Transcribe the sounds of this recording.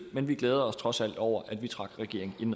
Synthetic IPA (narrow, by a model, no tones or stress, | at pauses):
menʋiɡ̥leːð̞ˠɐɒ̽st͡sʰʁɒ̽sæl̰d̥ɒʊ̰ɐʔæd̥ʋit͡sʰʁɑ̈ɡ̥ʁɛɡ̥e̝ɐ̰e̝ŋ̩i̥en